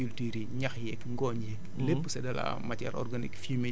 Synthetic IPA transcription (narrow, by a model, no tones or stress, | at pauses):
iltiːɾiɲɐxjɛkŋɡɔːɲjɛk | lepːsɛdɐla̰mɐtɛ̰ːɾʔɔ̰rɡanḭkfime